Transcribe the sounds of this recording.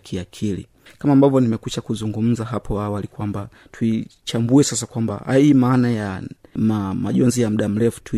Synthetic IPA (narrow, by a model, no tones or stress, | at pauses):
kʰiakʰilḭ | kamaːmbavjɔnimɛkuʃakuzuŋɡum̩zaɦapʰɔawalikwamba | tʰuit͡ʃambuɛsas̬akwamba̰ha̰imaːnajamamaʄɔnzijam̩ɗam̩lɛfu̥tʰu